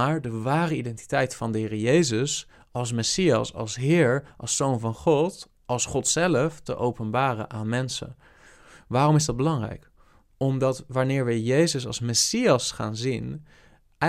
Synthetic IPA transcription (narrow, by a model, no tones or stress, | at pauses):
aːɹdəʋaːrəidɛnti̥tɛjtfɑndəɦɪːrəjejzəs | ɑlˠs̬mɛsijɑ̰sɑ̰lˠsɦɪːɹʔɑ̰lˠsownvɑnχɔt | ɑlˠsχɔtsɛləftə̰ʔowpənbaːrə̰nʔaːnmɛnsə̰n | ʋaːrɔmɪzdɑd̚bəlɑŋrɛ̰jk | ɔmdɑtʋaɹnɪːɹʋəjejzəsɑ̰lˠsmɛsijɑsχa̰ːnzin | ɛ